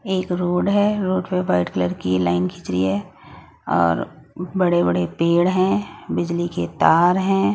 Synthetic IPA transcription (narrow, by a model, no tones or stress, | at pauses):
eːkɾoːɖɦɛɾoːɖpeʋaɪʈkələɾkilaːɪnkʰɪt͡ʃɾḭɦɛ | ɔ̰ːɾ | bɐɽebɐɽepeːɽɦɛ̃bɪd͡ʒliket̪aːɾɦɛ̃ː